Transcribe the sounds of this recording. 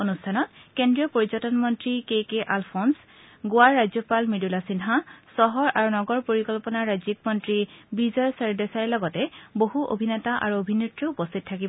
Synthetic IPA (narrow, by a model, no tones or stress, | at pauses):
onustʰanɔtkendɹijɔpoɹizɔtɔnmɔntɹikekeʔalpʰɔns | ɡoaɹːazjɔpalmidulasinɦasɔɦɔɹaɹunɔɡɔɹpoɹikɔlpɔnaɹɹazikmɔntɹibizɔɹsɛɹdɛsaɹɛlɔɡɔtɛboɦuʔo̰bʱinɛtaʔa̰ɹuobʱinitɹɔupɔstʰit̚tʰːakibɔ